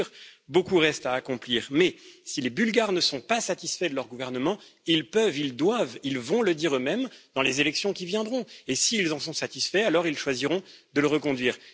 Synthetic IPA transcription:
ʁbokuʁɛst̪aːkɔ̃pliːʁmɛsilebylɡaʁnəsɔ̃pasat̪isfɛd̪əlœʁɡuvɛʁnəmɑ̃ilpœvild̪wavilvɔ̃ləd̪iʁømɛmd̪̥ɑ̃lezelɛksjɔ̃kʲivjɛ̃d̪ʁɔ̃esiːlzɑ̃sɔ̃sat̪isfɛalɔʁilʃwaziʁɔ̃d̪ələʁəkɔ̃d̪ɥiːʁ

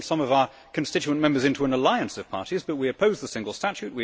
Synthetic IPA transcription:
sʌ̃mʌvaʊə˞ | kʰɨ̃n̩stɪt͡ʃʉə̃nmɛ̃mbə˞zɪ̃ntʰuə̃nəlaɪɨ̃nsʌv̥pʰɑ̰ɹɾizbʌt̚wiɨpʰoʊzðəsɪ̃ŋɡəl̩ˠstæt͡ʃʉʔ̚wi

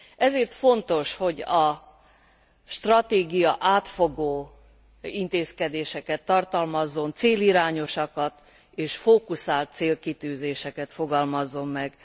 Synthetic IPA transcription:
ʔɛzeːrt̪fo̞nt̪o̞ʃho̞ɟɒ | ʃt̪rɒt̪eːɡijɒʔaːt̪fo̞ɡoː | int̪eːskɛd̪eːʃɛkɛt̪ːɒrt̪ɒlmɒzːo̞nt̪seːliɾaːɲo̞ʃɒkɒt̪ | eːʃfoːkusaːlt̪̚seːlkit̪yːzeːʃɛkɛt̪foɡɒlmɒzːo̞mːɛɡ

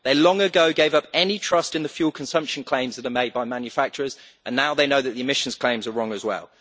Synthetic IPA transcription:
ðeɪlɒ̃ŋəɡəʊɡeɪvʌpɛnitʰɹ̥ʌstɪ̃nðəfjuːlˠkʰə̃nsʌ̃mpʃə̃nkʰl̥ẽɪ̃mzðəɾəmeɪd̚baɪmãnjəfak̚t͡ʃəɹəz | ʔə̃nːaʊðeɪnəʊðəʔðiɪmɪʃə̃nz̥kʰl̥ẽɪ̃mzəɹɒ̃ŋəzwɛ̰lˠ

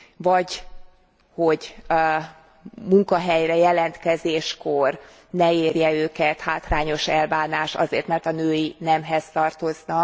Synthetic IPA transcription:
vɒɟ | hoɟ | muŋkɒɦɛjrɛjɛlɛnt̪kɛzeːʃko̞r | nɛeːrjɛøːkɛt̪haːt̪raːɲo̞ʃɛlbaːnaːʃɒ̰zḛːrt̪mɛrt̪ɒnøːjinɛmɦɛzt̪ɒrt̪o̞znɒ

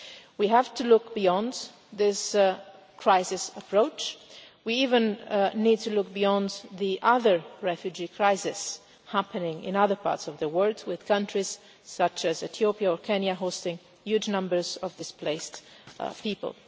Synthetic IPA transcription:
wiɦæv̥tʰulʊk̚b̥iɔ̃n | ðɪs | kʰɹ̥aɪsɪsəpʰɹoʊt͡ʃ | wiivə̃nnid̚tulʊk̚bijɔ̃nðiʔʌðə˞ɹɛfjʉd͡ʒikʰɹaɪsɪs | hæpɨnɪ̃ŋɪ̰̃nʌðə˞pʰɑ̰ːɹtsɔvðəwɜ˞lˠdwɪð̥kʰʌ̃ntɹ̥iz̥ | sʌt͡ʃɨzɨθjoʊpiaɔɹkʰɛ̃njəɦoʊstɪ̃ŋ | jʉd͡ʒnʌ̃mbə˞zɔvdɪspʰleɪst | pipə̰lˠ

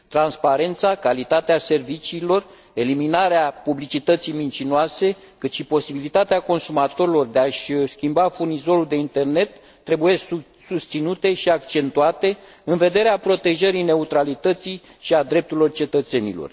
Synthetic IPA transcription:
t̪ɾanspaɾe̞nt̪sakalit̪at̪ease̞rvit͡ʃiːlo̞r | e̞liminaɾeapublit͡ʃit̪ət̪sijmint͡ʃinoase̞ | kɨt̪ʃipo̞sibilit̪at̪eako̞nsumat̪o̞ɾilo̞rd̪e̞aʃskʲimbafurnizo̞ɾuld̪e̞int̪e̞rne̞t̪ː | ɾe̞buje̞ | sust̪sinut̪e̞ʃiakt͡ʃe̞nt̪uat̪e̞ | ɨnve̞d̪e̞ɾeapɾo̞t̪e̞ʒəɾijne̞ut̪ɾalit̪ət̪sijʃiad̪ɾe̞p̚t̪uɾilo̞rt͡ʃe̞t̪ət̪se̞nilo̞̰r

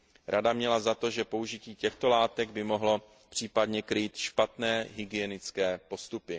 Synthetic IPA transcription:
ɾʔadamɲɛlazat̪o̞ʒɛpo̞uʒɪciːcɛxt̪o̞laːt̪ɛɡ̚bɪmo̞ɦlo̞ | pr̥iːpadɲɛkɾiːt̪ʃpat̪nɛːɦɪɡɪjɛnɪt͡skɛːpo̞st̪upɪ

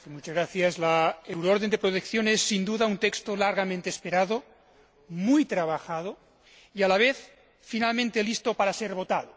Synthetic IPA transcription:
kemut͡ʃazɣɾaθjazlaewɾooɾðend̪epɾot̪ekθjonesːind̪uðaunt̪ekst̪olaɾɣamẽnt̪eːspeɾaðo | mujt̪ɾaβ̞axað̞o | ialaβ̞eθ | finalmẽnt̪elist̪opaɾaseɾβot̪al

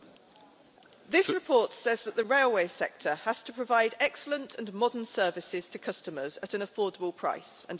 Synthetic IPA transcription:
ðɪsɹɪpʰɔˑtsɛzðəʔðəɹeɪlˠweɪsɛk̚tʰəəz̥tʰəpʰɹ̥əvaɪdɛksələ̃ntʰə̃nmɒdənsɜːvɪsɪz̥tʰəkʰʌstəməzətə̃nəfɔːdəbəlˠpʰɹ̥a̰ɪsə̰̃n

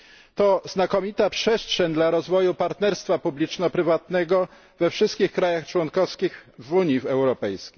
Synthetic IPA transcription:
t̪ɔznakɔmʲit̪apʂɛstʂɛɲd̪laɾɔzvɔjupaɾt̪nɛɾst̪fapublʲit͡ʂnɔpɾɘvat̪nɛɡɔ | vɛfʂɘst̪kʲixkɾajaxt͡ʂwɔnkɔfskʲixvuɲivɛwɾɔpɛjskʲej

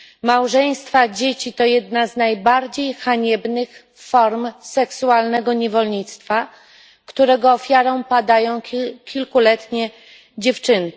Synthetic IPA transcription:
mawʐɛj̃st̪fad͡ʑet͡ɕit̪ɔjɛd̪naznajbaɾd͡ʑejxaɲɛbnɘx | fɔɾmsɛksualnɛɡɔɲɛvɔlɲit̪st̪fa | kt̪uɾɛɡɔːfʲjaɾɔ̃w̃pad̪ajɔ̃w̃kʲilkulɛt̪ɲɛ | d͡ʑeft͡ʂɘn

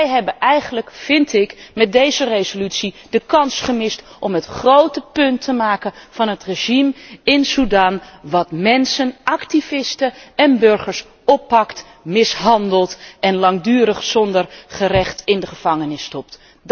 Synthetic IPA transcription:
ɛjɦɛbəʔɛjχənləkfɪntɪkmɛt̚dejzərezolytsidəkɑnsχəmɪstʔɔmɦətχrowtəpɵntʰəmaːkənvɑnɦətreʒimɪnsudaːnʋɑtmɛnsənɑktivɪstəɛnbøɹχəɹs | ɔpːɑkt | mɪsɦɑndəlˠtɛnlɑŋdyːɾəχsɔndərχərɛχtɪndəχəv̥ɑŋənɪstɔp̚t

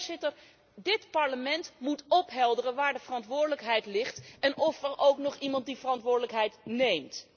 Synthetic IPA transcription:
zɪtəɹ | dɪtpɑɹləmɛntmutɔpɦɛlˠdərənʋaːɹdəvərɑntʋʊːɹdələkɦɛjtlɪχtɛnʔɔfɛɹʔowknɔχimɑnt̚divərɑntʋʊːɹdələkɦɛjtnejmt

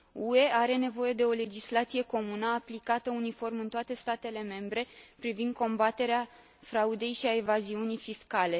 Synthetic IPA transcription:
ue̞aɾe̞ne̞vo̞je̞d̪e̞o̞le̞d͡ʒislat̪sije̞ko̞munəaplikat̪əunifo̞rmɨnt̪oat̪e̞st̪at̪e̞le̞me̞mbɾe̞pɾivind̪̚ko̞mbat̪e̞ɾea | fɾaud̪e̞jʃiaevaziunijfiskale̞

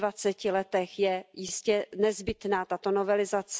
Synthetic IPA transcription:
vat͡sɛcɪlɛt̪ɛxjɛjɪscɛnɛzbɪt̪naːt̪at̪o̞novɛlɪzat͡s

